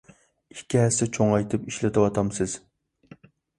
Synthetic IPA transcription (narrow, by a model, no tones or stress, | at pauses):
ikʲʰːiɦɛsɛt͡ʃʰoŋɑjt̪ʰɨpiʃlɪt̪ɨwɑt̪ʰɑmsɪz̥